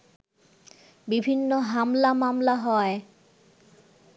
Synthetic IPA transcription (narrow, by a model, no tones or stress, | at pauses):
bibʱinːoɦamlamamlaɦɔe